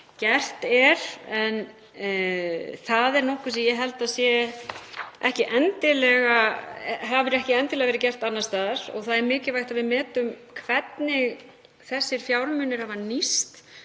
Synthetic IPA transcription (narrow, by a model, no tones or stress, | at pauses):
cɛr̥t̪ɛɾ̥ɛn | θaðɛɾnɔhkʏsijɛɦɛlt̪asjɛ | ʔɛhcɪʔɛnt̪ɪlɛɣaɦavɪɾɛhcɪɛnt̪ɪlɛɣavɛɾɪcɛr̥t̪anːast̪aːðaɾ̥ɔ̰ɣθaðɛɾmɪːcɪlvajht̪aðvɪðmɛːt̪ʏmkʰvɛt̪nɪɣ | θɛsːɪɾ̥fjawɾmʏnːʏɾhavanist̪